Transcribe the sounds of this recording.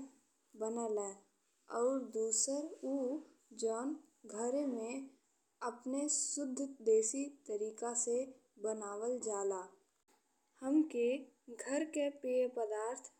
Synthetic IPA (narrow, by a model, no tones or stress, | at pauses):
bənəlɛː | ɔːɾd̪uːsəɾuː | d͡ʒɔːnɡʱəɾmẽ | əpnesʊd̪ʱːd̪eːsit̪əɾiːkase | bənaːwəld͡ʒaːlaː | həmkeɡʱəɾkepiepəd̪aːɾt̪ʰ